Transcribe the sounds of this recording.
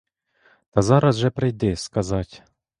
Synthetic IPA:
t̪ɑzɑɾɐsʒɛpɾɪjd̪ɪskazɑtʲ

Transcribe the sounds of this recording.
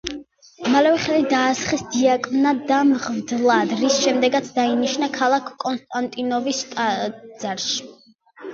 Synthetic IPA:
malɛvɛχɛlid̪aːsχisd̪iakʼmnad̪amʁvd̪lˠad̪ɾisʃɛmd̪ɛɡat̪sʰd̪ainiʃnakʰalˠakʰkʼɔnst̪ʼant̪ʼinɔvist̪ʼad̪z̥aɾʃi̥

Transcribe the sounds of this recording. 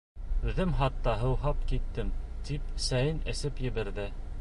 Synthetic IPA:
ʉðɘmɦɑt̪ːɑɦɤ̆wɦɑpkit̪ːɘmt̪ip̚sæjɘnɘ̆sɘpjɘ̆βɘ̆ɾðɘ

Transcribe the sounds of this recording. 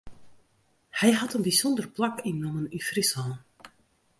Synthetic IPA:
hɛjɦatənbisɔndərplakinːɔmənyfrishɔlˠn

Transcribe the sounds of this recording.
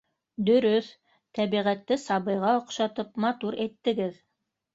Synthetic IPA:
d̪ɵ̆ɾɵθ | t̪æβiʁæt̪ːɘsɑβɤ̆jʁɑŏqʃɑt̪ɤpmɑt̪uɾet̪ːɘ̆ɡɘð

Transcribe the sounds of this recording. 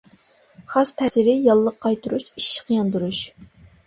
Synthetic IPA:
χɑst̪ʰɛsɪɾɪjɑlˠːəqʰːɑjt̪ʰuɾuʃiʃːɪ̥qʰəjɑnd̪uɾuʃ

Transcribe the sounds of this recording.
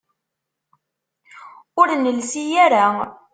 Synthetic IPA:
ʊɾnəlsijaɾa

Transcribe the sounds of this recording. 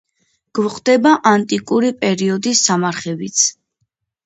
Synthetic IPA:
ɡ̥vχʰʼd̪ɛbaʔant̪ʼikʼuɾipʼɛɾiɔd̪isːamaɾχɛbit̪sʰ

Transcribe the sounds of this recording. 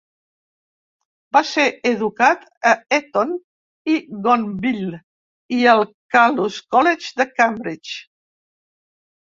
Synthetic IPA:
baseeðukat̪ | əɛt̪on | iɣɔnbil | iəlˠkaluskɔled͡ʒd̪əkambɾit͡ʃ

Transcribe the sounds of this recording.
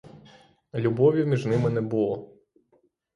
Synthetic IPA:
lʲubɔʋʲimʲiʒnɪmɪnɛbʊlˠɔ

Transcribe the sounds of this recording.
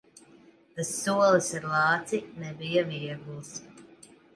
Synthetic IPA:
t̪asːuɔlˠɨsaɾlˠɑːt̪sinɛbijaviɛɡulˠs

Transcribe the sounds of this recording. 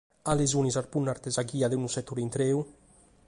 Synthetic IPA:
alezunizaɾpunːaɾt̪ɛzaɡiːad̪enusɛt̪ːuɾint̪ɾeːu

